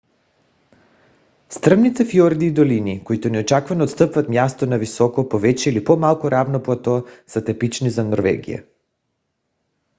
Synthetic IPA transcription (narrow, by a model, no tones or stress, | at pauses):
st̪r̩mnit̪sɛfjɔɾd̪iːd̪olinikoit̪ɔnɛot͡ʃakvanɔoːt̪st̪əpvat̪mjast̪ɔnavisɔkɔpovɛt͡ʃɛilipɔmalˠkuɾavnɔplˠat̪ɔsat̪ɛpit͡ʃnizanɔɾvɛ̰ɡḭja̰